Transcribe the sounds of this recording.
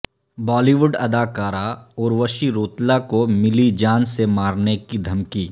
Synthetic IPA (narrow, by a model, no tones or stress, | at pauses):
bɔːliʋʊɖɐd̪aːkaːɾaɔːɾʋɐʃiɾoːt̪lakomɪlid͡ʒaːnsemaːɾnekid̪ʱɐmkiː